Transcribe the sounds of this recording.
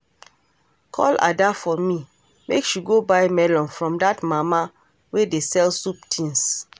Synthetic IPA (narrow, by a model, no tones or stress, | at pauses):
kʰɔ̰la̰dafɔmi | mekʃjuɡobajmɛlɔ̃nfɹɔ̃mdatmama | wedesɛlsup̚tʰĩns